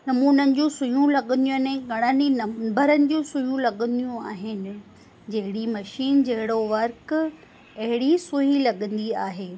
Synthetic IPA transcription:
nɐmuːnənɪ̆d͡ʑũːsʊjũlɐɠə̃n̆d̪ĩnɛ̃ɡʱɐɽ̃əninɐbəɾənɪ̆d͡ʑũːsʊjũlɐɠə̃nd̪ijũaːɦɪnɪ̆ | d͡ʑɐɦɪɽimɐʃiːnd͡ʑɐɦɪɽoʋɐɾk | ɐɦɪɽisʊɦilɐɠə̃nd̪iaːɦeː

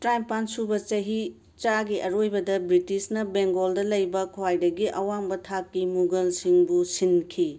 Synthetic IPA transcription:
tɾajmpansubɐt͡ʃɐɦi | t͡ʃaɡiʔɐɾojbɐdɐbɾitisnɐbeŋɡoldɐlɐjbɐkʰowajdɐɡiʔɐwambɐtʰakːimuɡɐlsiŋbusinkʰi

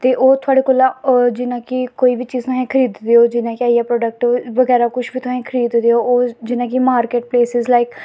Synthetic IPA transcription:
t̪eːʔoːt̪ʰʊaːɽeːkoːlãːd͡ʒɪnãːkɪkoːiːbiːt͡ʃiːzt̪ʊaẽːkʰəɾiːd̪d̪eːoːd͡ʒɪnãːkɪaːijaːpɾɔːɖək̚ʈoːʋəɡɛːɾaːkʊʃʰbiːt̪ʊãẽːkʰəɾiːd̪d̪eːoːoːd͡ʒɪnãːkimaːɾkeːʈ̚pleːsɪzlaːɪk

